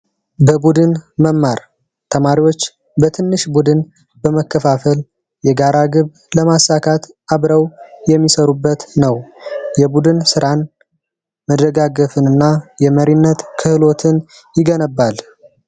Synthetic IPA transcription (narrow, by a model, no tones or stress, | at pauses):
bəbud̪ɨnməmːaɾ | t̪ʰəmaɾiwo̞t͡ʃː | bət̪ʰɨnːɨʃbud̪ɨn | bəməkʰːəfafəl | jɛɡaɾaɡɨβ | ləmasːakʰat̪ | aβɾəwjɛmːisəɾubːət̪nəwjɛbud̪ɨnsɨɾan | məd̪əɡaɡəfɨnɨnːajɛməɾinːət̪kʰɨhɨlo̞t̪ʰɨn | jɪɡənəbːal